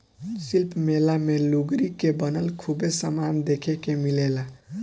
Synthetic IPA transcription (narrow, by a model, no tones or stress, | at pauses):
silpmelameluɡɾikebənəlkʰubesamand̪ekʰekemilela